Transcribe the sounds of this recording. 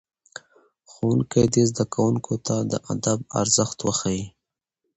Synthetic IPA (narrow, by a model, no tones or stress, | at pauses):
xonkajd̪ezd̪akawuŋkʰot̪ad̪ə̰ʔad̪ab̚a̰ɾzəxt̪wəxawi